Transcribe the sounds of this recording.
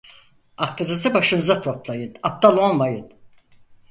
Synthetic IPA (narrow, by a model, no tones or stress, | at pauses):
ak̚t̪ɯɾɯzɯbaʃɯnzat̪ʰo̞plˠajɯnap̚t̪alˠo̞lˠmajɯn